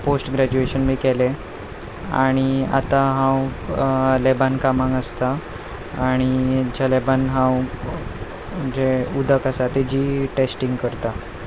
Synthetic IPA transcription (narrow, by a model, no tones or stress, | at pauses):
posʈɡɾæd͡ʑueɕənmiːkɛle | a̰ɽ̃ia̰t̪aɦãw | lebankamãŋɡəst̪aː | ɽ̃id͡ʑalebanɦãw | d͡ʑeud̪ʱəkasat̪ed͡ʑiːʈesʈiŋɡkəɾt̪a